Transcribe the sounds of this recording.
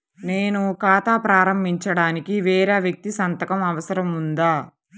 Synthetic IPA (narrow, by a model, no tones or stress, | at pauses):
neːnukaːt̪aːpɾaːɾɐmbʱiɲt͡ʃɐɽaːnikiʋɛːɾaːʋjɐk̚t̪isɐnt̪ɐkɐmɐʋɐsɐɾɐmund̪aː